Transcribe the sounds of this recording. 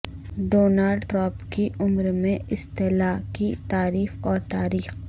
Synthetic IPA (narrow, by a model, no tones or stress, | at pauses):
ɖoːnaːlɖʈɾãːpkiʔʊmɾmẽɪst̪ɪlaːkit̪aːɾiːfɔːɾt̪aːɾiːx